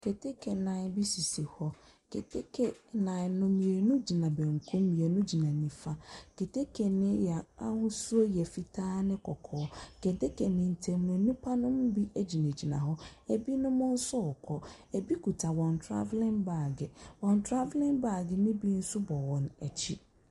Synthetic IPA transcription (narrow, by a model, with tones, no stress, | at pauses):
kʰe˨tʰe˦kʰe˨nã˨bi˦si˨si˨hɔ˦ | kʰe˨tʰe˦kʰe˨nã˨nʊ̃˦mĩ˨e˨nʊ̃˦d͡ʑi˨nã˨bɛ̃˨ŋ̩˨kʰʊ̃˦mĩ˨e˨nʊ̃˦d͡ʑi˨nã˨nĩ˨fa˦ke˨tʰe˦kʰe˨nɪ̃˦jɛ˨a̰˦hʊ̃˦su˦o˦jɛ˨fi˨tʰaː˦nɪ̃˦kʰɔ˨kʰɔː˨˦ke˨te˦kʰe˨nɪ̃˨n̩˨tʰɛ̃˨mʊ̃˨ɛ˨nĩ˦pʰa˦nʊ̃˦m˦bi˦ʔæ˦d͡ʑi˨nɛ̃˨d͡ʑi˨nã̰˨ɦɔ˦ɛ˨bi˦nʊ̃˦mʊ̃˦n̩˦sɔ˦ɔ˨kʰɔ˦ | ɛ˨bi˦kʰu˨tʰa˨wɔ̃˨n˨tʰɾa̰˦vlɪ̃˦nba˦˨ɡɪ˨wɔ̃˨n˨tʰɾa˦vlɪ̃˦nba˨ɡɪ˨nɪ̃˦bi˦n̩˦sʊ˦bɔ˨wɔ̃˨næ˨t͡ɕʰi˦